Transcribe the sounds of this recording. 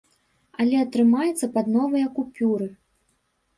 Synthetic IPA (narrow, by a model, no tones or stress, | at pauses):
ɐlʲɛɐt̪ɾɨmajɛt̪sːɐpɐd̪nɔvɐjɐkupʲuɾɨ